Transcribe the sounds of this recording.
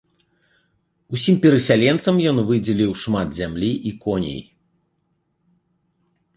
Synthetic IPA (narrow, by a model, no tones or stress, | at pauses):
usʲimpʲɛɾɐsʲalʲɛnt̪sɐmjɔnvɨd͡zʲɛlʲiwʂmat̪zʲamlʲiʔikɔnʲḛj